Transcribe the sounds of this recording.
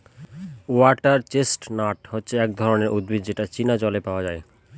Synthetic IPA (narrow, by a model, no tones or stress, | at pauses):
uaʈaɾt͡ɕesʈnaʈhotːɕʰeɛk̚d̪ʱɔɾoneɾʔud̪bidd͡ʑeʈat͡ɕinad͡ʑɔlepaoad͡ʑae